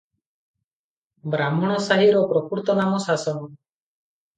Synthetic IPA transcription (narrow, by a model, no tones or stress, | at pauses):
bɾamɔɽ̃ɔsaɦiɾɔpɾɔkuɾt̪ɔnamɔsasɔnɔ